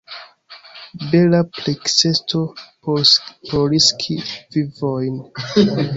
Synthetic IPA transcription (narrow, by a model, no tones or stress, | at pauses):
be̞laplekse̞sto̞ppoɾiskʰivivojn